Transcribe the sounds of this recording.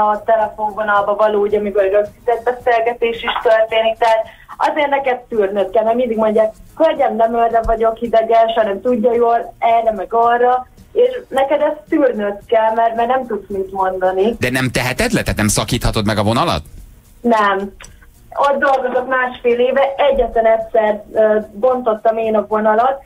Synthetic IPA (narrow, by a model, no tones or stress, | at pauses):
ɒt̪ɛlɛfo̞ɱvo̞nɒlbɒvɒloːuɟɒmikoɾɾøksit̪ɛd̪̚bɛseːlɡɛt̪eːʃiʃt̪ørt̪eːnik̚t̪ɛɦaːt̪ | ɒ̰zeːrt̪nɛkɛt̪ːyːrnøt̪kɛlnɛmind̪iɡmo̞ɲɟaːk̚kølɟɛmnɛmørːɛvɒɟo̞khid̪ɛɡɛlʃhɒnɛmt̪uɟːɒjoːlɛrːɛmɛɡɒrːɒ | eːʃnɛkɛd̪ɛst̪yːrnøt̪kɛlmɛrmaːrnɛmt̪ut̪smit̪mo̞nd̪ɒnid̪ɛnɛmt̪ɛɦɛt̪ɛt̪lɛt̪aːt̪nɛmsɒkiːt̪hɒt̪o̞d̪mɛɡɒvonɒlɒ̰t̪ | nɛm | ot̪̚d̪o̞lɡo̞zo̞kmaːʃfeːleːvɛʔɛɟːɛt̪lɛnɛtʲsɛrøːbo̞nt̪o̞t̪ːɒmeːnɒvo̞nɒlo̞t̪̚